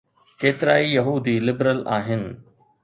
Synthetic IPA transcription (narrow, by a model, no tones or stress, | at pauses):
keːt̪ɪɾaːijɐɦuːd̪iːlɪbɾəlaːɦɪnɪ̆